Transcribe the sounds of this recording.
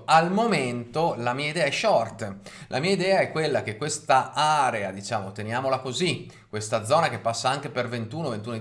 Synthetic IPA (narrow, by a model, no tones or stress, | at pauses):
almoment̪olamiːaid̪ɛːaɛʃːɔrt̪lʔa̰miːaid̪ɛːaɛkːwelːak̟ekːwest̪aʔaɾead̪it͡ʃaːmot̪enjaːmolakozi | kːwest̪ad̪zːɔːnakepːasːaaŋk̟epervent̪uːnovent̪uno